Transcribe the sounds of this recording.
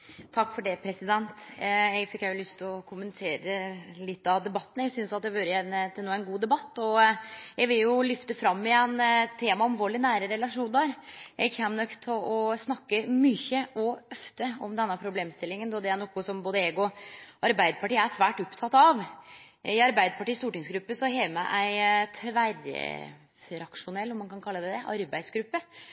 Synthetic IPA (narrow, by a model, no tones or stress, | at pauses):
t̪ʰɑkːfɔɖɛpʰɾɛsɪd̪ɛnt̪ɛɡfɪkjæjʊlʏst̪ʰɔkʰʊmənɪt̪ʰeːɾəlɪt̪ːɑʋd̪ɛbɑt̪ːənəɛɡsʏnsɑt̪̚d̪ɛʋøːɾəɛnt̪ʰɪluːɛnɡuːd̪ɛbɑt̪ːɔjɛɡʋɪljʊlʏft̪əfɾɑmːɪɛnt̪ʰeːmɑɑlʋoːɭɪnæːɾəɾɛlɑʂuːnəɾʔɛɡçæmnœkt̪ʰɔʔɔsnɑkːəmʏçəʔɔœft̪əɔmd̪ɛnːəpʰɾʊbleːmst̪ɪlːɪŋənd̪ɔd̪ɛæɳoːkːʊsɔmboːd̪əeːɡɔʔɑɾbæɪd̪əpʰɑʈiːəæʂʋæːʈɔpt̪ʰɑt̪ːɑʋ | ɪɑɾbæɪd̪əpʰɑʈiːst̪uːʈɪŋsɡɾʉpːəsɔɦeːmæʔæɪt̪ʰʋæɾə̰ | ɾɑkʂʊnɛlːɔmɑnkʰɑnkʰɑlːəd̪æd̪ɛʔɑ̰ɾbæɪsɡɾʉpːə